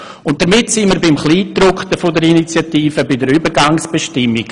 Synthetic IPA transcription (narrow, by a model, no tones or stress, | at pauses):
ʊnt̚d̥əɾmɪtsiməɾbɪmχliːtɾʊktəfʊdəɾinit͡sjatiːfəbɪdəɾybəɾɡaŋsb̥eʃtɪmːiɡ